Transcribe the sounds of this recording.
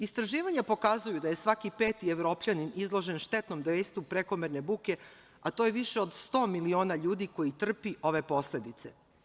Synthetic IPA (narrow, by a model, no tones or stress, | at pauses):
ist̪ɾaʒiːʋaɲapo̞kazujud̪aje̞sʋakipeːt̪ieʋɾo̞ːpʎaninizlˠo̞ʒe̞nʃt̪et̪no̞md̪ʋeːst̪upɾeko̞meɾne̞buːke̞ | at̪ojeʋiʃeo̞d̪st̪o̞ːmilio̞ːnaʎuːd̪iko̞jit̪r̩piʔo̞ʋe̞po̞sle̞d̪it̪se̞